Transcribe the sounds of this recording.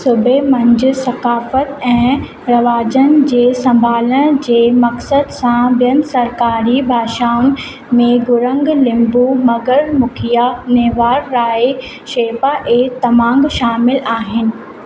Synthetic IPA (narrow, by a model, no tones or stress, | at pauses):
sʊbʱemɐ̃ɲd͡ʑʊ̆sɐkaːfət̪ɛ̃ː | ɾɐʋaːd͡ʑənɪ̆d͡ʑeːsɐ̃mbʱaːləɽ̃d͡ʑeːmɐksəd̪sãbijənɪsɐɾkaːɾibʱaːʃaːʊn̆ | mẽɡʊɾə̃ŋɡlɪ̃mbumɐɡəɾmʊkʰijaneːʋaːɾːaːe | ʃeːpaʔeːt̪ɐmãːŋɡʃaːmɪlaːɦɪnɪ̆